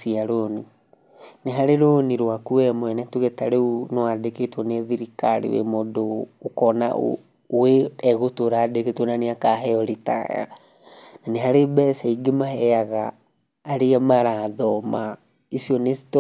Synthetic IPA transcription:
siaɾoni | neɦaɾeɾoːniɾwakuɛmoɛnɛtuɣetaɾeunewadeketwɔneðiɾikaɾḛwḛmodoːkɔna̰ʔ | weɛɣotoɾadeketwonaneakaɦɛɔɾeta̰ja̰ | naneɦaɾebɛsɛiɡemahɛaɣaː | ɾeamaɾaðɔma | isiɔnesi̥t

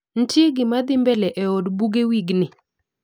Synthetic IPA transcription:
n̩tɪɡɪmad̪ɪmbɛlɛʔɛodbuɡewiɡnɪ

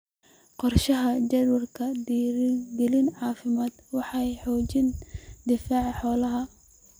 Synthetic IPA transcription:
qɔrʃɐɦɐd͡ʒɐd̪wɐrkʰɐd̪iːɾɡɛlɪnʕɑːfɪmaːd̪wɑħɑjħɔːt͡ʃɪnd̪ɪfaːʕħɔːlɐɦɐ

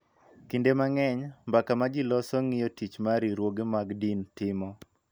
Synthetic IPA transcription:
kindemaŋɛɲmbakamad͡ʒɪlɔsɔŋɪjɔtit͡ʃmaɾiɾwoɡemaɡdintɪmɔ

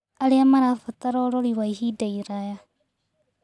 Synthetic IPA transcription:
aliamaɾafataɾoɾoliwaihidaiɾaja

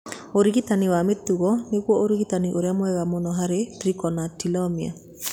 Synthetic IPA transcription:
oɾiɣitaniwametuɣɔneɣwɔʔoɾiɣitaniʔoɾeamwɛɣamonɔɦaɾetɾikɔnatilɔmia̰

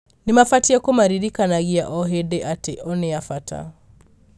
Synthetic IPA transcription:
nɪmafatiakomaɾiɾikanaɣia̰ʔɔɦedeʔateʔɔneafatʰa̰

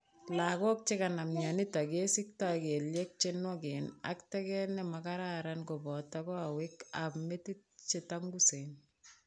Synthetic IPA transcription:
lakok̚t͡ʃikanamɲanitakesik̚takeljek̚t͡ʃenwɔkena̰ktɛkɛnɛmakaɾaɾankobɔtakɔawɪkapmetit̚t͡ʃetaŋɡusen

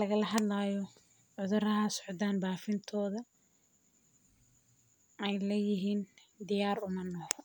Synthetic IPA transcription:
lɐɣɐlɐɦɐd̪laːjɔ | ʕʊðʊrɐɦɐsɔʕt̪aːnbaːfɪnt̪ʰɔːðɐ | ɛjlɛjɪɦiːn | d̪ɪjaːrʊmɐnːɔhɔ

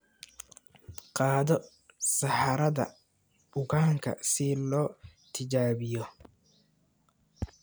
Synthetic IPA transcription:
qɑːðɔ | sɑħɑɾɐðɐ̰ | ʊkʰaːŋkʰɐ̰sɪlɔːt̪ʰɪt͡ʃaːβɪjɔ

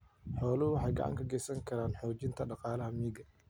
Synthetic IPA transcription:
ħɔːlʊhʊwɑħɑjɡɑ̰ʕɑ̰ŋkʰɐɡɛjsɐŋkʰɐɾaːnħɔːt͡ʃɪnt̪ʰɐɖɑqɑːlɐɦɐmiːɡɐ

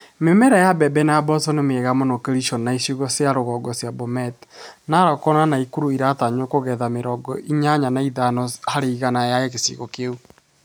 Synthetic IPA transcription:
memɛɾajabɛbɛnajabɔsɔnemeɣamonokeɾiʃɔnaisiɣɔsjaɾoɣɔɡɔsjabɔmɛtnaɾɔkɔnanaikuɾuiɾataɲokoɣɛðameɾɔɡɔ̰ʔiɲaɲanaiðanɔhaɾeiɣanajajɛɣesḭɣɔ̰keu

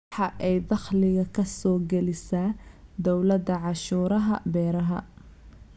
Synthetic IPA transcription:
ħɑʔɛjd̪ɑχlɪɣɐkʰɐsɔːɡɛlɪsaːd̪ɔwlɐd̪ɐʕɑʃuːɾɐɦɐ̰bɛːɾɐɦɐ̰

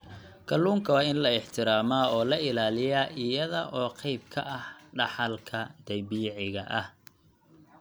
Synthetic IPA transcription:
kʰɐlːuːŋkʰɐwɑːɪnlɐɪħt̪ʰɪɾaːmaːɔːlɐɪlaːlɪjaːʔɪjɐðɐʔɔːqɑjb̚kʰɐ̰ʔɐhɖɑħɑlkʰɐd̪̥ɐjbiːʕɪɣɐʔɐh

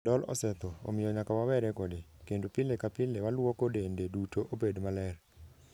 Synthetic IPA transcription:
dɔlɔ̰sɛt̪ɔo̰mɪjɔɲakawawɛɾɛkodekendupɪlekapɪlewalwɔkodendedutoʔobedmalɛr

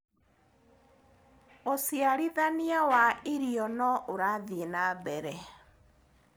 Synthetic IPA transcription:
osiaɾiðaniawaeɾiɔnɔʔoɾaðienabɛɾɛ

